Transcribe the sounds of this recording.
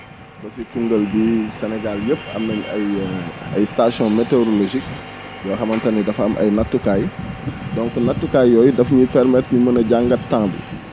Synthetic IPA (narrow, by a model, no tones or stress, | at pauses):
lɐsikuŋɡəlbisɛnɛɡaljəpːɐ̰mːɐɲɐjɐjstasjɔ̃meteoɾoloʒik̚ | jɔːxɐmɐntɐnidɐfɐmʔɐ̰jnɐtːukaːjdɔ̃ŋkunɐtːukajːɔːjudɐfɲipɛɾmɛtimɐnɐɟaŋɡɐttːãːmbṵ